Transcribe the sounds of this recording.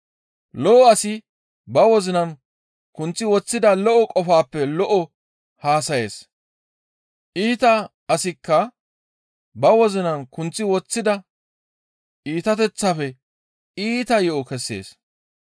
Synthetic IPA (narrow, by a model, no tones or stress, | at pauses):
lɔʔɔɐsɪ | bɐwɔzɪnɐn | kʊnt͡sːɪwɔt͡sːɪd̪ɐlɔʔɔkʼɔfaːpːɛlɔʔɔ | haːsɐje̞ːs | ʔiːt̪ɐ | ɐsɪkːɐ | bɐwɔzɪnɐnkʊnt͡sːɪwɔt͡sːɪd̪ɐ | iːt̪ɐt̪ɛt͡sːafɛ | iːt̪ɐjɛʔɔkɛsːḛːs